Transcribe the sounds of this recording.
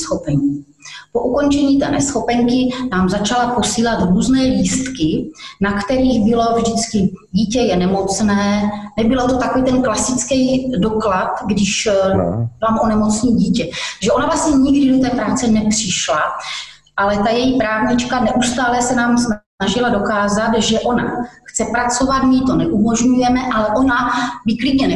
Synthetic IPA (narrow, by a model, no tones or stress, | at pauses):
sxopɛɲiː | po̞ʔuko̞nt͡ʃɛɲiːt̪ɛ̰ːnʔɛsxo̞pɛŋkɪnaːmzat͡ʃalapo̞siːlat̪ɾuːznɛːliːst̪kɪnakt̪ɛɾiːɣbɪlo̞vʒdɪt͡skɪɟiːcɛjɛnɛmo̞t͡snɛːnɛbɪlot̪ot̪akoviːt̪ɛnklasɪt͡skɛjdo̞klat̪ɡdɪʃ | laːmonɛmo̞t͡sniːɟiːcɛʒɛʔo̞navlasɲɛɲɪɡdɪdot̪ɛːpɾaːt͡sɛnɛpr̝̥ɪʃla | ʔalɛt̪ajɛjipɾaːvɲɪt͡ʃkanɛʔust̪aːlɛsɛnaːmsn | aʒɪlado̞kaːzat̪ʒɛʔo̞na̰xt͡sɛpɾat͡so̞vat̪mɪt̪o̞nɛʔumo̞ʒɲujɛmɛʔalɛʔo̞nabɪklɪɟɲɛnɛ